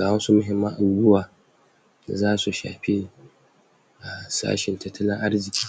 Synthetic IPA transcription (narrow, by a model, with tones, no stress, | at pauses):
aː˨ɐ˦nsu˦mʊ˦ɦɪ˨˦mːɐ˦ŋʔa˨ɡʊ˦waː˨ | zaː˦su˨ʃa̰ː˨ɸe˦ | ʔa˨sa̰ː˦ʃɪ˨ntɐ˦tːɐ˦lɪ˦ʔa˦ɾzɪ˨kʲi̥ː˨